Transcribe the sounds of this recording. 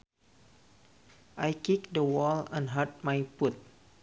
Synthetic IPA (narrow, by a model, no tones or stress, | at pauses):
ʔajkik̚dəwɔlãnɦat̚majput̪̚